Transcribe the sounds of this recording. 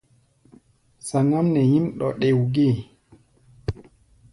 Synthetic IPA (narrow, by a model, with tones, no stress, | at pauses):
sa˨ŋɔ˦nːɛ˨jĩ˦mɗɔ̰˨ɗe˨wɡe˦˨